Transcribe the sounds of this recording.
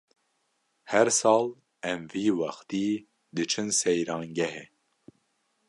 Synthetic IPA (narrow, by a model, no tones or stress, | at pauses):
hɛɾsɑːl | ɛmviːwɑxt̪iː | d̪ɨt͡ʃʰɨnsɛjɾɑːŋɡɛɦɛ